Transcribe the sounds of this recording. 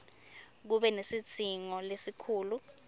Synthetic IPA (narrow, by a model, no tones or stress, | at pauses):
k̬uɓɛnesit͡sʰiŋɔlesikʰuːlu